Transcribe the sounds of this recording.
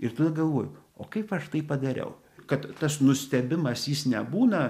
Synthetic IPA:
ɪrt̪od̪ɐɡɐlˠʋoːjʊoːkɐɪpɐʃt̪ɐɪpɐd̪ɐɾʲɛ̰ʊ | kɐt̪t̪ɐsnʊsʲt̪ʲɛbʲɪmɐsjɪsnʲɛbuːnɐ

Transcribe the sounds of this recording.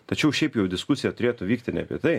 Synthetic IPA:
t̪ɐt͡ʃʲɛʊʃʲɛɪpjɛʊd̪ʲɪskʊsʲɪjɛt̪ʊɾʲeːt̪ʊʋʲiːk̚t̪ʲɪnʲɛ̰pʲḭt̪ɐɪ

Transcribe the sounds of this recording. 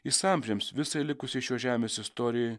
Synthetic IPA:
ɪsɑˑmʲʒʲɛmsʋʲɪsɐlʲɪkʊsʲɪʃʲoːʒʲæːmʲeːsɪst̪oːɾʲɪjo

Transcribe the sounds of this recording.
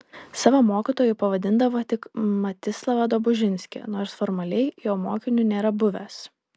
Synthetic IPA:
sɑːʋɐmoːkʲit̪oːjʊpɐʋɐd̪ʲɪnd̪ɐʋoːt̪ʲɪkmɐt̪ʲɪslˠɐʋɐd̪oːbʊʒʲɪnʲsʲkʲḛːnoːɾsfɔːɾmɐlʲɛɪjoːmoːkʲɪnʲunʲeːɾɐbʊʋʲɛs

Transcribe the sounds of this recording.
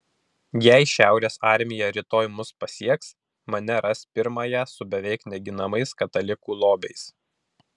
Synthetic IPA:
jæɪʃʲæˑʊɾʲeːsɑˑɾʲmʲɪjɛɾʲɪt̪oːjmʊspɐsʲiɛks | mɐnʲɛɾɐspʲɪɾmɑːjɛsʊbʲɛʋʲɛɪknʲɛɡʲɪnɐmɐɪskɐt̪ɐlʲɪkuːlˠoːbʲɛɪs

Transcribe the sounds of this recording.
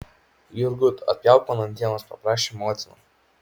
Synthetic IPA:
jʊɾɡʊt̪ɐ̰t̪̚ʲpʲjaˑʊkɐnɐnʲd̪ʲiɛnospɐpɾɑːʃʲemɔːt̪ʲɪnɐ̰

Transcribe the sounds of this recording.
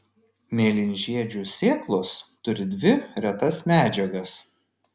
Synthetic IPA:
mʲeːlʲɪnʲʒʲiɛd͡ʒʲuːsʲeːklˠʊst̪ʊɾʲɪd̪ʲʋʲɪɾʲɛt̪ɐsmʲæːd͡ʒʲɛɡɐs

